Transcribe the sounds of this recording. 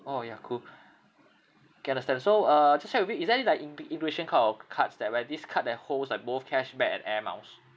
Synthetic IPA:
ojakʰul | kʰɛãndəstɛ̃nsoʌd͡ʒast͡ʃɛk̚wifjuisdɛilajkĩŋĩŋkueʃə̃nkʰatɔkʰatsdɛt̚wɛdiskʰat̚dɛt̚holslaɪk̚boθkʰɛʃbɛkɛ̰̃nɛmã̰ʊs

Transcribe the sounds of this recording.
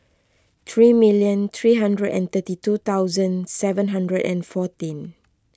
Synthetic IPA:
t̪ʰɹimiljə̃nt̪ʰɹiɦãndɹədɛ̰̃nt̪ətitut̪awzə̃nsɛvə̃nɦãndɹədɛ̰̃nfɔtĩn

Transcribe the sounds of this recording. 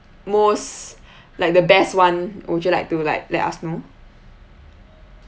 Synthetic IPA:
mos | lajk̚dəbɛstwãnwɔt͡ʃulaɪk̚tulaɪk̚lɛ̰ta̰sno

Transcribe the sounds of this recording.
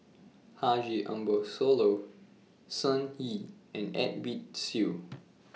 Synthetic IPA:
had͡ʒiʔã̰mbosolo | sãnhiɛ̃nɛ̰t̚bit̚si

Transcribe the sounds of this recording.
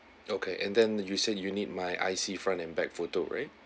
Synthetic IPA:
okʰeʔɛ̃ndɛ̃njused̚junid̚majʔa̰ɪsifɹãntɛ̃nbɛk̚foto̰ɹa̰ɪt̚

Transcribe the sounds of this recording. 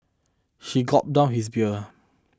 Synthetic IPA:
ʃiɡɔt̚dãʊnhis̬bjə

